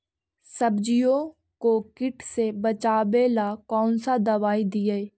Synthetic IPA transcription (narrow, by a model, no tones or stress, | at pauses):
sɐbd͡ʒijõ | kokɪʈʰsebɐt͡ʃaːbeːlakɔːnsad̪ɐʋaːid̪ɪje